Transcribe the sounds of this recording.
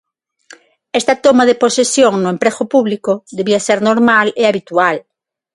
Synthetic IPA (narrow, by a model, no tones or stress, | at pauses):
est̪at̪omaðeposesjoŋnʊẽmpɾeɣopuβlikoðeβiaseɾnoɾmaleaβit̪ual